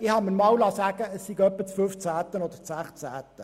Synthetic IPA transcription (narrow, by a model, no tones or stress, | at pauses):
ɪhɑmənmɑwlɑsæːɡ̥əəssiɡœpːət͡sføft͡sæːt̪ənɔd̪əsæχt͡sæːt̪ə